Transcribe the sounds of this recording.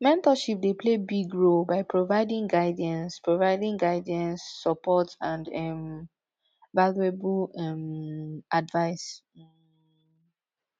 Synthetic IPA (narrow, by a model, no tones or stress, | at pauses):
mɛ̃ntɔʃip̚depʰlebiɡɹolbaɪpʰɹovaɪdĩŋɡaɪdiə̃nspɹovaɪdĩŋɡaɪdiə̃nsːɔpɔtãndɛm | valieblɛmadvaɪs